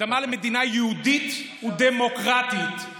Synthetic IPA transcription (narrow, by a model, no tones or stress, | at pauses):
amalemed̪inajɛud̪it̪ | ud̪emo̞kʁat̪it̪